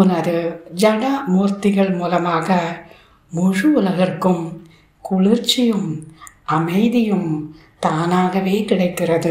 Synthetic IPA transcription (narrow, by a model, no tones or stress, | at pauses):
ʊnɐɾɯd͡ʒɐɽamuːɾt̪ɪɣɐɭmuːlɐmaːɣɐ | mʊɻɯʊlɐɣɐrkɯm | kʊɭɪrt͡ʃːɪjɯm | ɐmɐɪðɪjɯm | t̪aːnaːɣɐʋeːkɪɽɐɪkːɪrɐðɯ